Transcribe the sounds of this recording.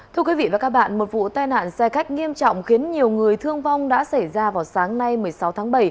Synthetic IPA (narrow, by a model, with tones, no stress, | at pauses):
t̪ʰɨ˧ək̬wi˨˦vḭ˧˨vaː˨˩kaː˦˥k̚ɓa̰ː˧˨nmo˨˩t̚vṵ˧˨t̪aː˧jna̰ː˧˨nsɛ˧xa˦˥jk̟̚ŋi˧əmt͡ɕɔ̰˧˨wŋ͡mxi˨˦ənɲi˨˩əwŋɨ˨˩əjt̪ʰɨ˧əŋva˧wŋ͡mɗa̰ː˧˥sa˧˩jzaː˧vaː˨˩wsaː˨˦ŋna˧jmɨ˨˩əjsa˨˦wt̪ʰaː˨˦ŋɓə˧˩j